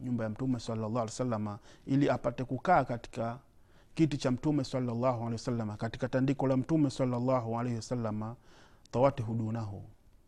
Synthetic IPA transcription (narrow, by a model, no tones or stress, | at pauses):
ɲumbajam̩tumɛsalːalːɑːlsalːamailiapatɛkukaːkati̥ka | kitit͡ʃam̩tumɛsɑlːalːaɦualɛiwasalːamakatikatandikɔlam̩tumɛsɑlːalːaɦualɛhiwasalːamat̪ɑwatiɦuɗunaɦṵ